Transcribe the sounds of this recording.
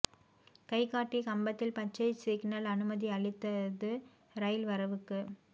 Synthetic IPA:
kɐɪkːaːʈːikɐmbɐt̪ːɪlpɐt͡ʃːɐɪsiːɡnɐlɐnɯmɐðiɐɭɪt̪ːɐðɯ | ɾɐjlʋɐɾɐʋɯkːɯ

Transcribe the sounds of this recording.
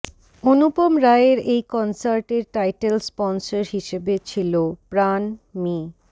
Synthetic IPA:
onup̪omɾaeɾejkɔnsaɾʈeɾʈajʈelspɔnsaɾɦiʃebet͡ɕʰilopɾanmi

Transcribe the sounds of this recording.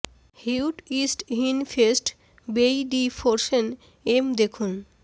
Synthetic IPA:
hiwʈisʈɦinfʰesʈ | bejɖifoɾʃen | emd̪ekʰun

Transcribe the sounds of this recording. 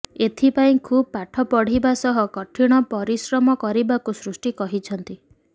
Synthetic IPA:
et̪ʰipaĩkʰub̚paʈʰɔpɔɽ̤ibasɔɦɔkɔʈʰiɽ̃ɔpɔɾisɾɔmɔkɔɾibakusɾusʈikɔɦit͡ʃʰɔnt̪i

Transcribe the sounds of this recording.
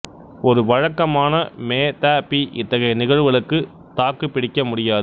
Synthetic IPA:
ɔɾɯʋɐɻɐkːɐmaːnɐmeːt̪aːpiʔɪt̪ːɐɣɐɪnɪɣɐɻʋɐɭɯkːɯ | t̪aːkːɯpːɪɽɪkːɐmʊɽɪjaːðɯ

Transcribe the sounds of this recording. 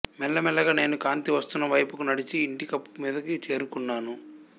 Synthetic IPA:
mɛlːɐmɛlːɐɡaːne̞ːnukaːnt̪iʋɐst̪unːɐʋɐjpukunɐɽit͡ʃiːɳʈikɐpːu̥miːd̪ɐkit͡ʃe̞ːɾukunːaːnu

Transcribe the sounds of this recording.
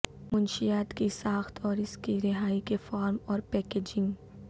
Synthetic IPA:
mʊnʃijaːt̪kisaːxt̪ɔːɾɪskiɾɪɦaːikefaːɾmɔːɾpɛːkeːd͡ʒɪ̃ŋɡ

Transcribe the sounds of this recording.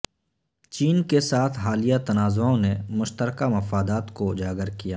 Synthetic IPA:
t͡ʃiːnkesaːt̪ʰɦaːlijat̪ɐnaːzõnemʊʃt̪əɾkamɐfaːd̪aːt̪kod͡ʒaːɡəɾkijaː

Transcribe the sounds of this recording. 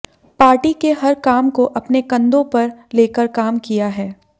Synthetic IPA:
paːɾʈikeɦɐɾkaːmkoʔɐpnekɐ̃nd̪õpɐɾleːkəɾkaːmkijaɦɛː

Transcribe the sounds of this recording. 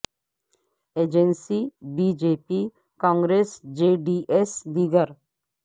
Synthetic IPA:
eːd͡ʒensibiːd͡ʒeːpi | kãːŋɡɾeːsd͡ʒeːɖiːʔesd̪iːɡəɾ

